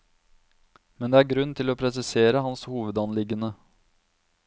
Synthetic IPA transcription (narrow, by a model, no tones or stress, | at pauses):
mɛnd̪eːæːɾɡɾʉnːt̪ʰɪloːpʰɾɛsɪseːɾəhɑnshuːʋəd̪ɑnlɪɡənə